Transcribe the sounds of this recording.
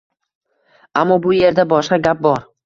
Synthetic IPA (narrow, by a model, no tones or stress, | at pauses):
amːɒbʊje̞ɾd̪abɒʃqɑɡʲap̚bɒɾ